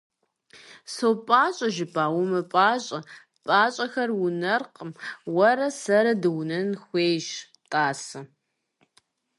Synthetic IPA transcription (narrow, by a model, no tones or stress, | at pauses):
sowpʼaːɕʼɐʒɪpʼaːwʊmɐpʼaːɕʼɐ | pʼaːɕʼɐxɐrwʊnɐrqəmwɐɾɐsɐɾɐdɨwnɐnxʷeːjʃ | tʼaːsɐ